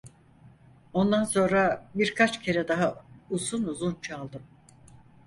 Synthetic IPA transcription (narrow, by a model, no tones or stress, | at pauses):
o̞nd̪anso̞nɾabiɾkʰat͡ʃcʰe̞ɾɛd̪aɦauzunuzunt͡ʃʰalˠd̪ɯm